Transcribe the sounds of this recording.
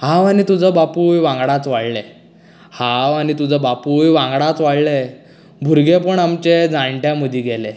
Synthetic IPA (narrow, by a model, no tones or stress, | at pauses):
hãʋanit̪ud͡zʱəbapujʋãŋɡɽat͡sʋaɽle | hãʋanit̪ud͡zəbapujʋãŋɡɽat͡sʋaɽle | bʱuɾɡepəɳamt͡ɕed͡zãɳʈjaməd̪ʱiːɡɛle